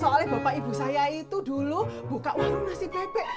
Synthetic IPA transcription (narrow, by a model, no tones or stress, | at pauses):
ɔkalɛhb̥a̤paʔibṳsajait̪ud̪ulub̥ukaʔwaɾunasɪbebɛʔ